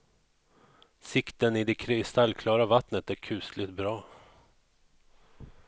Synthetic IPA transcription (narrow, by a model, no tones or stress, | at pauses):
sɪkt̪ənɪd̪ɛkʰɾɪst̪alːkʰlɑːɾavat̪nət̪æɾkʰʉːst̪lɪt̪̚bɾɑː